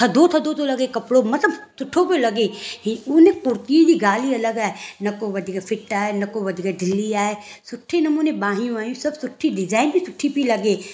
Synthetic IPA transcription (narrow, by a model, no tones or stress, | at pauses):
t̪ʰɐd̪ot̪ʰɐd̪ot̪olɐɡekɐpɽomɐt̪ləbsʊʈʰːopelɐɡeɦiʊnẽkʊɾt̪iid̪iɡaːliɐləɡaːenɐkoʋɐd̪ʱikapʰɪʈaːenɐkoʋɐd̪ʱikaɖ̪ʱɪlːiaːesʊʈʰːenɐmuːnebãːɦĩjũaːjũsɐbsʊʈʰːiɖɪd͡ʒaːɪnbʱisʊʈʰːipilɐɡeː